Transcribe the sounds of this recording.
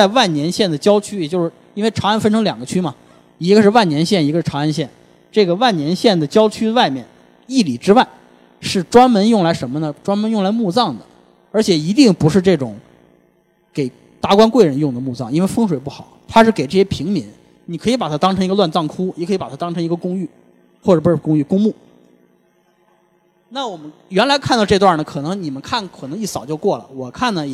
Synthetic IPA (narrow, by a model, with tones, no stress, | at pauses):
t͡sa˥˧ɪwa˥˩nnjɛ˧˥nɕjɛ˥˩nd̪ə˩t͡ɕjɑ˥ʊt͡ɕʰy˥jɛ˨˩t͡ɕjo˥˧ʊʂɻ̩˥˩i˥nwe˥˩ɪʈ͡ʂʰa˧˥˩nfə˥nʈ͡ʂʰɤ˧˥ŋljɑ˨˩ŋɡə˦t͡ɕʰy˥mɐ˨ | i˧˥ɡə˧ʂɻ̩˥˧wa˥˩njɛ˧˥nɕjɛ˥˩ni˧˥ɡə˧ʂɻ̩˥˩ʈ͡ʂʰa˧˥a˥˧nɕjɛ˥˩n | ʈ͡ʂɤ˥˩ɡə˩wa˥˩nnjɛ˧˥nɕjɛ˥˩nd̪ə˩t͡ɕjɑ˥ʊt͡ɕʰy˥wa˥˧ɪmjɛ̰˥˩n | i˥˩li˨˩ʈ͡ʂɻ̩˥wa˥˩ɪ | ʂɻ̩˥˩ʈ͡ʂwa˥nmə˧˥njʊ˥˩ŋla˧˥ɪʂə˧˥nmə˧nə˨ʈ͡ʂwa˥nmə˧˥njʊ˥˩ŋla˧˥ɪmu˥˧t͡sɑ˥˩ŋd̪ə˩ | ə˞˧˥t͡ɕʰjɛ˨˩i˧˥t̪i˥˩ŋpu˧˥ʂɻ̩˥˧ʈ͡ʂɤ˥˩ʈ͡ʂʊ̰˨˩˦ŋ | ke˨˩ɪ | t̪a˧˥kwa˥nkwe˥˩ɪɻə˧˥njʊ˥˩ŋd̪ə˩mu˥˧t͡sɑ̰˥˩ŋi˥nwe˥˧ɪfɤ˥ŋʂ̬we˨˩ɪpu˥˩xɑ˨˩˦ʊt̪ʰa˥ʂɻ̩˥˩ke˨˩ɪʈ͡ʂɤ˥˩ɕjɛ˥pʰi˧˥ŋmi˧˥n | ni˨˩kʰɤ˧˥i˧˥pa˨˩t̪ʰa˥t̪ɑ˥ŋʈ͡ʂʰɤ˧ŋi˧ɡə˧lwa˥˧nt͡sɑ˥˩ŋkʰu˥ni˨˩ɤ˧˥i˧˥pa˨˩t̪ʰa˥ɑ˥ŋʈ͡ʂʰɤ˧˥ŋi˧˥ɡə˧kʊ˥ŋy˥˩ | xwɔ˥˩˨u˥ʂɻ̩˥˩kʊ˥ŋy˥˩kʊ˥ŋmu˥˩ | na˥˩wɔ˨˩mə˦nɥɛ˧˥nla˧˥ɪkʰa˥˩˧nt̪ɑ˥˧ʈ͡ʂɤ˥˧t̪wa˥˩nə˩kʰɤ˨˩nɤ˧˥ŋni˨˩mə˦nkʰa˥˩nkʰɤ˨˩nɤ˧˥ŋi˥˩sɑ˨˩ʊt͡ɕjo˥˧kwɔ˥˩lə̰˩wɔ˨˩kʰa˥˩nnə˩